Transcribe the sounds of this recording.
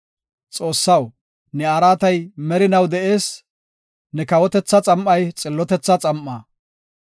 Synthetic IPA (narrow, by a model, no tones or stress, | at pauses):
t͡sʼo̞ːsːɐw | nɛɐɾaːt̪ɐjmɛɾɪnɐwd̪ɛʔeːs | nɛkɐwɔt̪ɛt͡sːɐt͡sʼɐmːɐjt͡sʼɪlːɔt̪ɛt͡sːɐt͡sʼɐmʔːaː